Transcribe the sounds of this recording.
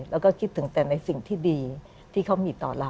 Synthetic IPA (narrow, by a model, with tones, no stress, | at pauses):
lɛː˦˥wkɔː˥˩kʰi˦˥t̪ʰːɯ˩˦ŋt̪ɛː˨˩na˧jsi˨˩ŋt̪ʰiː˥˩diː˧ | t̪ʰiː˥˩kʰa˦˥wmiː˧t̪ɔː˨˩la˧˩